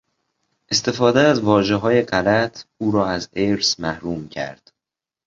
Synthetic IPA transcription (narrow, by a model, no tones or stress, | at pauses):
ʔe̞st̪e̞fɒːd̪eæzvɒːʒe̞ɦɒːje̞ɢælæt̪ʰuːɾɒːæzeɾsmæhɾuːmcʰæ̰ɾd̪̥